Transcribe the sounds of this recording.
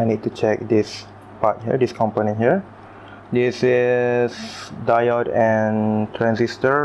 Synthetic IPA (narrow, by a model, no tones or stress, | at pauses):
ajnid̚tut͡ʃɛk̚dis | pat̚hiədiskʰɔ̃mponĩnɦiəɹ | disisdajɔtɛ̃ntʰɹɛ̃nsistə